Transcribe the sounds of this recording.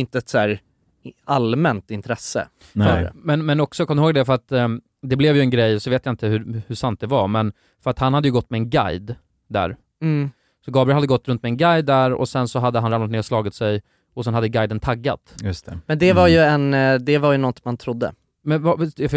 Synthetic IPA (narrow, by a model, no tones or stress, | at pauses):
ɪnt̪əɛt̪sæːɾ | almɛnt̪ɪnt̪ʰɾɛsːə̰ | n̰mɛnmɛnɔksɔkʰɔmːɾhoːɡ̚d̪ɛfœɾat̪ | d̪ɛblɛvjɵɛnɡɾɛjːsɔveːt̪jaɪnt̪əhɵhʉʂant̪̚d̪ɛvaɾmɛn | fœɾat̪hanhad̪ːjɵɡɔt̪ːmɛːnɡa̰jd̪ | d̪æ̰ːɾ | sɔɡɑːbɾɪlhad̪ːəɡɔt̪ːɾɵnt̪mɛnɡajd̪ːæɾɔ̰sɛnsɔɦad̪ːəɦanɾamnat̪neːɾɔslɑːɡɪt̪sɛj | ɔsɛnhad̪ːəɡajd̪ənt̪ʰaɡːa̰t̪jɵst̪ʰɛmɛnd̪ɛvaɾjɵɛnd̪ɛvaɾjɵnɔt̪mant̪ʰɾʊd̪ːə̰ | mɛnvaf